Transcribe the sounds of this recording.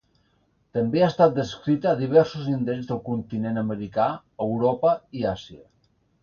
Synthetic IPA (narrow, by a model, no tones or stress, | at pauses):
t̪əmbeast̪at̪̚d̪əskɾit̪əːðiβ̞ɛɾsuzind̪eɾezðəlˠkunt̪inenəməɾika | əwɾɔpəiasiə